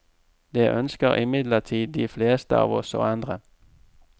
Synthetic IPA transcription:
d̪eːʔœnskəʁʔɪ̰mɪd̪lət̪ʰiːd̪d̪iːfleːst̪əɑ̰ːʋɔso̰ːɑnd̪ʁə

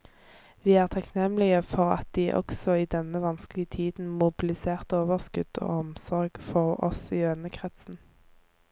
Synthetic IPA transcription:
ʋiːæːʁt̪ʰɑknɛmlɪəfɔʁɑ̰t̪̚d̪̥iːʔɔ̰ksɔiːd̪ɛnəʋɑnsklɪət̪ʰiːd̪n̩mʊbɪlɪseːʁt̪oːʋəʁskʉd̪̥o̰ːɔmsɔʁɡfɔʁɔ̰siːøːnəkʰʁɛt̪sn̩

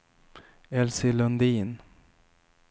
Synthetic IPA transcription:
ɛlsɪlɵnd̪iːn

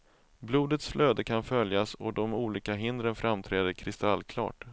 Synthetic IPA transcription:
bluːd̪ət̪sflʔøːd̪əkʰanfœljasɔd̪ɔmuːliːkaɦɪnd̪ɾənfɾamt̪ʰɾɛːd̪əɾkʰɾɪst̪alːkʰlɑ̰ːʈ

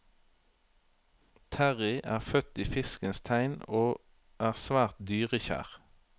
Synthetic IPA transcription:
t̪ʰæʁɪʔæːʁfœt̪iːfɪskənst̪ʰæɪnoː | ʔæːʁsʋæːʁt̪̚d̪yːʁəçæ̰ːʁ

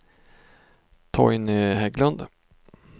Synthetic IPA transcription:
t̪ʰɔ̰jnɪɦɛɡlənd̪

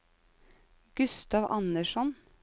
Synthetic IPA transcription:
ɡ̥ʉst̪ɑʋʔɑ̰nəʃɔn

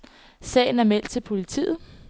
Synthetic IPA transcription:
sɛ̰ːɪn̩æɐmel̰d̥̚t͡sʰe̝lpʰo̝lit͡sʰḭːð̞̩ˠ

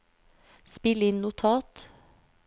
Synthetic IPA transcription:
spɪləɪnnʊt̪ʰɑːt̪

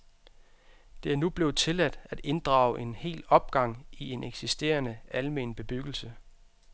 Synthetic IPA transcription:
d̥e̝æɐnub̥le̝ʊt͡sʰe̝læd̥æd̥e̝nd̥ʁɑ̰̈ːʊʔe̝nhe̝̰ːlɒ̽b̥̚ɡ̥ɑ̈ŋ̰ie̝nʔeɡ̥sisd̥e̝̰ːɐnəʔælme̝̰nb̥e̝b̥yɡ̥l̩sə

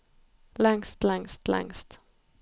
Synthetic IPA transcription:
lɛŋst̪lɛŋst̪lɛ̰ŋst̪

